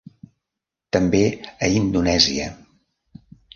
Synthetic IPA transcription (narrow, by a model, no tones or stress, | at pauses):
t̪əmbeəind̪unɛziə